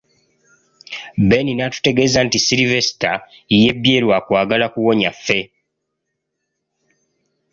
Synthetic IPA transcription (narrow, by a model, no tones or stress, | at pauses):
beninatu̥te̞ɡe̞ːzantisiɾive̞si̥ta | ije̞bjeːlwaːkwaːɡalakuwo̞ɲafːe̞